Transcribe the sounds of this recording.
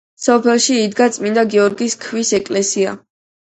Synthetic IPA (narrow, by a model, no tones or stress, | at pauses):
sɔpʰɛlˠʃiːd̪ɡat̪sʼmind̪aɡɛɔɾɡiskʰwisɛkʼlɛsia̰